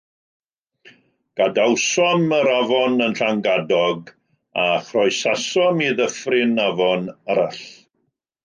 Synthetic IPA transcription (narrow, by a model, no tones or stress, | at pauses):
ɡ̥adawsɔməɾavɔnənɬaŋɡadɔɡ | aχrɔjsasɔmiðəfrɪnavɔnaɾaɬ